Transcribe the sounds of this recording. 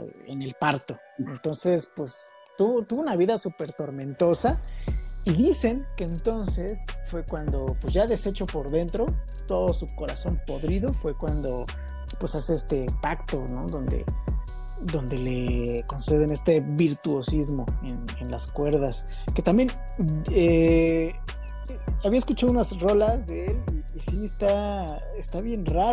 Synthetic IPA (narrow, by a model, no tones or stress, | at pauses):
ḛne̞lpaɾt̪o̞ | e̞nt̪o̞nse̞spwes | t̪uβot̪uβounaβiðasupe̞ɾt̪o̞ɾmẽ̞nt̪o̞sa | iðise̞ŋke̞ːnt̪o̞nse̞sfwe̞kwand̪o̞pwezʝaðe̞se̞t͡ʃo̞po̞ɾðe̞nt̪ɾo̞ | t̪o̞ðo̞suko̞ɾaso̞mpo̞ðɾiðo̞fwe̞kwand̪o̞ | pwe̞saseest̪e̞pakt̪o̞no̞ðo̞nd̪ḛ | ðo̞nd̪e̞le̞ko̞nse̞ð̞e̞ne̞st̪e̞βiɾt̪uo̞sizmo̞en | enlaskwe̞ɾðas | ke̞t̪ambje̞n | e | aβiaeskut͡ʃaðounazro̞lazðeeliːsiest̪a | est̪aβje̞nraɾ